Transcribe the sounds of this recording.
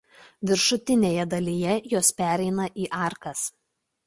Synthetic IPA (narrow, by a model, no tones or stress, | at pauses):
ʋʲɪɾʃʊt̪ʲɪnʲeːjɛd̪ɐlʲijɛjoːspʲæːˑɾʲɛɪnɐʔiːʔɑˑɾkɐs